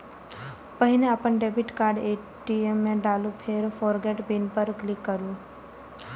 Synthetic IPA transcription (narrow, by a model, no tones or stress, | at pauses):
pəɦinẽaːpənɖebiʈkaːɾɖe | ʈiemːẽɖaːlũpʰeɾfɔɾɡeʈbinpəɾklikːəɾjũ